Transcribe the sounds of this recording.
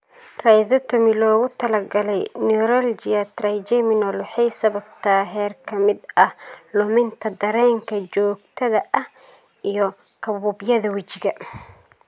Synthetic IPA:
rɛjzɐt̪ʰɔmɪlɔːɣʊt̪ʰɐlɐɡɐlɛjniɾɐld͡ʒɪɐt̪rajd͡ʒɛmɪnɔlwɑħɑjsɐβɐb̚t̪ʰaɦɛːrkʰɐmɪd̪ɐhlʊmɪnt̪ʰɐd̪ɐɾɛːŋkʰɐt͡ʃɔːɡ̚t̪ʰɐðɐʔɐh | ijɔ | kʰɐβuːbjɐðɐwɪt͡ʃɪɣɐ

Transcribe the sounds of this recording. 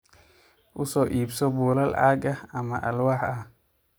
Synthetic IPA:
ʔʊsɔːʔiːbsɔbuːlɐlʕa̰ːɡɐhɐmɐʔɐlwɑːħɐ

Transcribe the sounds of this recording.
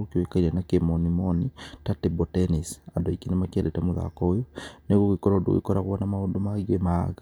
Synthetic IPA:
okioekaiɾenakemonimonitatebotenisadoikinemakiedetamuða̰kɔjoneɣowikoɾodo̰ɣḭkoɾaɣwβanamaundomaɣemaɣa

